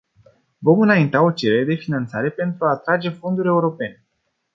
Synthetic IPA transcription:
vo̞mɨnaint̪ao̞t͡ʃe̞ɾeɾed̪e̞finant̪saɾe̞pe̞nt̪ɾuaːt̪ɾad͡ʒe̞fo̞nd̪uɾʲe̞uɾo̞pe̞ne̞

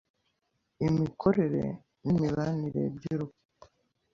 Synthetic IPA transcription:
imikʰo̞ɾe̞ɾe̞̰ | nimiβaniɾḛbɟiɾo

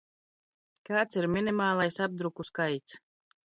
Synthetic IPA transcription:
kaːt̪siɾmʲinʲimaːlˠajsab̚d̪ɾukuskajt̪s

